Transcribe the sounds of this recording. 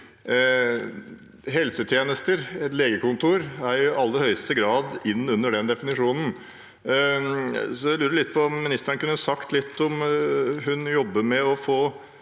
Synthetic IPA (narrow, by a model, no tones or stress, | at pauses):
ɦɛlsət̪ʰjeːnəst̪əɾɛt̪leːɡəkʰʊnt̪ʊɾæɾɪʔɑlːəɾhœʏst̪əɡɾɑːd̪ɪnːʉnːəɖɛnd̪ɛfɪnɪʂuːnn̩ | sɔɛlʉːɾəlɪt̪̚ːpʰɔːɪnɪst̪æɳəkʰʉnːəsɑkt̪lɪt̪ːɔmɦʉnjɔbːəmɛɔfoː